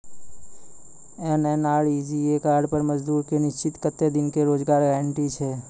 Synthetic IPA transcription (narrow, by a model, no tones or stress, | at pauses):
ɛnɛːnaːɭid͡ʒiːeːkaːɾɖpəɾməd͡ʒd̪uːɾkenɪʃt͡ʃɪt̪kət̪ed̪ɪnkeɾoːd͡ʒɡaːɾɡaɪɳʈit͡ʃʰeː